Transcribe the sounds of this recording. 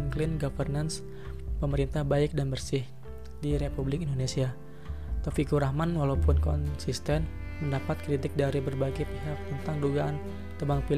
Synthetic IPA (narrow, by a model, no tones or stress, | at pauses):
ŋklɪnɡafərnans | pəməɾint̪ahbaɪk̚danbərsɪh | diɾepublɪkindonesia | t̪ofikuɾahmanwalawpʊnkɔ̰nsist̪ɛn | məndapat̪̚kɾit̪ɪk̚daɾibərbaɡajpeɦak̚t̪ənt̪aŋduɡaʔan | t̪əbaŋpi